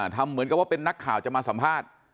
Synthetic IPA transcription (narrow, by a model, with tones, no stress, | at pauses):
t̪ʰa˧mːɯ˨˩˦nka˧˩pwaː˥˩pe˧nːa˦˥kʰːaː˨˩wt͡ɕa˨˩maː˧sa˩˦mpʰaː˥˩t̪̚